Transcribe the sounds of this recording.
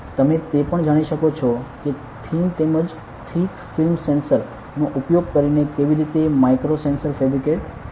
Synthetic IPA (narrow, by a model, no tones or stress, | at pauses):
t̪əmet̪epəɳd͡ʒaɽ̃iʃəkot͡ʃʰɔke | t̪ʰimt̪eməd͡ʒ | ʈ̪ʰikfilmsensəɾ | noʔupjoɡ̚kəɾinekeʋiɾit̪emajkɾosensəɾfɛbɾikeʈ